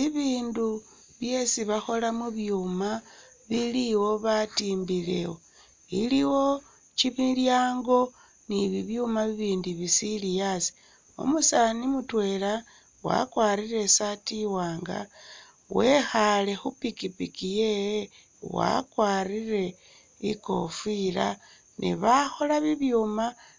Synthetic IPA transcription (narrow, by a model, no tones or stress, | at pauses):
iβiːndu | βje̞siβaxo̞lamuβjuːma | βiliwo̞βatiːmbile̞wo̞ | iliwo̞ | t͡ʃiβiljaːŋɡo̞ | niβiβjumaβiβiːndiβisilijasi̥ | o̰musanimutwe̞la | wa̰kwaːɾiɾe̞satiwaːŋɡa̰ | we̞xale̞xupikipikijeje | wa̰kwaːrire̞ | ḭko̞̰fila̰ | nʔḭβaxo̞laβiβjuːma